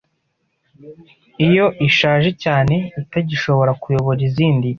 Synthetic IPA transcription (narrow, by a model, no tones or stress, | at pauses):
ijo̞ʔiʃaːʒe̞caːne̞itaɟiʃo̞βo̞ɾakujo̞βoɾiziːndi